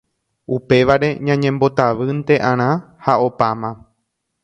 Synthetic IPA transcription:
upe̞ʋaɾe̞ɲãɲẽmbo̞t̪aʋɨnt̪e̞ʔãɾ̃ã | hao̞pamã

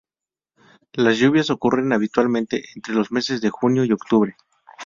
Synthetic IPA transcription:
lazʝuβ̞jaso̞kure̞naβ̞it̪walmẽnt̪e̞ʔent̪ɾe̞lo̞zme̞se̞zðe̞xunjo̞io̞kt̪uβɾe̞

